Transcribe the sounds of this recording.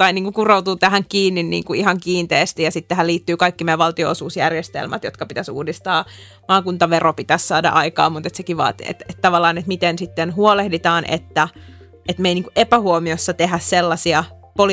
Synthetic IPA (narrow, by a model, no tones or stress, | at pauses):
ɑiniːŋkukurout̪uːt̪æhæŋkiːnːinnḭːŋkuiɦɑŋkiːnt̪eːst̪ijɑsit̪t̪æɦæliːt̪ːyːkɑikːimeːʋɑlt̪io̰osuːsjærjest̪ḛlmæt̪jot̪kɑpit̪æsṵːdist̪ɑː | mɑːkunt̪ɑʋeropit̪æssɑːdɑ̰ʔɑikɑ̰ːmut̪et̪sekiʋɑ̰ːet̪ḛt̪et̪t̪ɑʋɑlːɑːnet̪mit̪ensit̪ːenɦuolehdit̪ɑːnʔḛt̪ːæ | et̪meiniːŋkuʔepæhuomiosːɑt̪eɦæsselːɑsiɑ | pol